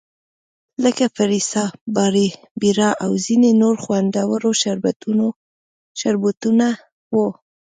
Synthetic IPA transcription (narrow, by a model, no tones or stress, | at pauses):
ləkafaɾisɑbɑɾi | biɾɑʔawzinenoɾxwand̪awəɾoʃaɾb̪uo | ʃaɾbut̪una | wo